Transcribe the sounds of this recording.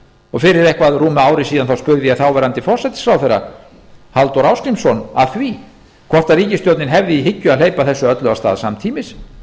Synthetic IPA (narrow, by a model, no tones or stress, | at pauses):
ɔɣfɪɾɪɾɛhkvaðruːmaːwɾɪsiːðanθawspʏɣðɪaθaːwvɛːɾant̪ɪfɔr̥sɛt̪ɪ̥sfɾawθɛɾːa̰ | halt̪oɾawskɾimsɔnaðθvi | kʰv̥ɔr̥t̪aɾiːcɪst̪jowt̪nɪnɦɛvðɪiɦɪcːʏaðl̥eːjpaθɛsːʏœt̪lœɣast̪a̰ːðsamt̪ʰiːmɪs